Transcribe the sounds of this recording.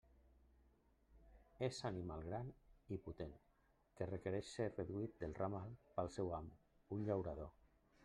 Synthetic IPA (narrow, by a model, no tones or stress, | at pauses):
ezanimalˠɣɾaniput̪en | kerekeɾɛʃereðuit̪̚d̪elˠramalˠpalˠsɛwam | unʎawɾaðo